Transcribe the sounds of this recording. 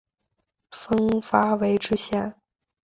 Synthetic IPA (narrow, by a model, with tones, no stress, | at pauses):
fɤ˥ŋfa˥we˧˥ɪʈ͡ʂɻ̩˥ɕjɛ˥˩n